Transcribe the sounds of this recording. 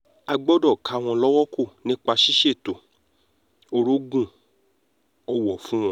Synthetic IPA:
a˧ɡ͡bɔ˦dɔ˦˨kʰa˨˧˦w̃ɔ̃˧lɔ˦wɔ˦ko˦˨nĩ˦k͡pa˧ʃi˦ʃe˦˨to˨ | o˧ɾo˦ɡũ˦˨ | ɔ˧wɔ˨fũ˦w̃ɔ̃˧˦

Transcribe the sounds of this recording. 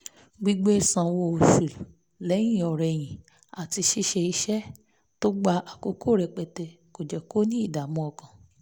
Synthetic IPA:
ɡ͡bi˧ɡ͡be˦˨sã˨wo˧o˨ʃu˨lu˨ | lɛ˨˦j̃ĩ˦˨ɔ˨ɾɛ˨j̃ĩ˨ | a˨ti˧ʃi˦˧ʃe˧i˧ʃɛ˦ | to˦ɡ͡ba˧a˨ko˧ko˦˨ɾɛ˨k͡pɛ˨tɛ˧ | ko˨d͡ʒɛ˨ko˦nĩ˦i˦˨da˨mɔ̃˧ɔ˨kã˨

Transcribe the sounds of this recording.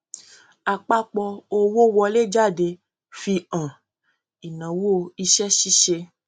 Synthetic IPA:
a˨k͡pa˦k͡pɔ˧o˧wo˦wɔ˧le˦d͡ʒa˦˨de˧ | fi˧ã˨ | i˨nã˨wo˦˨i˧ʃɛ˦ʃi˦ʃe˧

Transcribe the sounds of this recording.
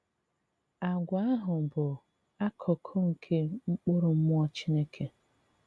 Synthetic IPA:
a˨ɡʷa˨˦a˦ɦʊ˨bʊ˨ | a˦kʰɔ˨kʰɔ˦ŋ̩˨kʰe˦ŋ͡m̩˦k͡pʊ˦ɾʊ˨m̩˦mʊ˦ɔ˦t͡ʃi˦ne˦kʰe˨

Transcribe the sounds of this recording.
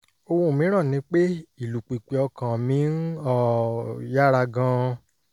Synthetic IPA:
o˧wo˧˨mĩ˨˦ɾ̃ã˦˨nĩ˨˧˦k͡pe˦i˦˨lu˨k͡pi˨k͡pe˨ɔ˧kã˨mĩ˨˦n˦ɔ˦˨ja˦ɾa˧ɡã˧

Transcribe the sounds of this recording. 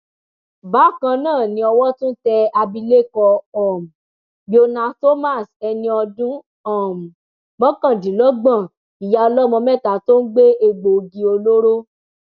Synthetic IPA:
ba˨˦˨kã˧nãː˦˨nĩ˧˦ɔ˧wɔ˦tũ˦tɛ˧a˧bi˧le˦˨kɔ˧ɔ˦˨mũ˨ | ɡ͡bi˦o˧nã˧to˦ma˦˨sɛ˧nĩ˧ɔ˧dũ˦ | ɔ˦˨mũ˨ | mɔ̃˦kã˦˨dĩ˨˦lɔ˦ɡ͡bã˦˨ | i˨ja˨ɔ˧lɔ˦mɔ̃˧mɛ˦˨ta˨˦to˦n̩˦ɡ͡be˦e˧ɡ͡bo˨ɡi˧˦o˧lo˦ɾo˦

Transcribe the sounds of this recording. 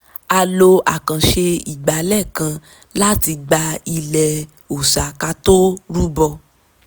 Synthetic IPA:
a˧lo˧a˨kã˨ʃe˧i˨ɡ͡ba˨lɛ˦˨kã˧ | la˦ti˧ɡ͡ba˧i˧lɛ˨ | o˨sa˨ka˧to˦ɾu˦bɔ˧

